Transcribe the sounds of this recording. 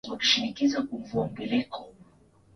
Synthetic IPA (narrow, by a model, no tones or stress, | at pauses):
waki̥ʃinikizakuɱvuɔmɡɛlɛkʰɔ̥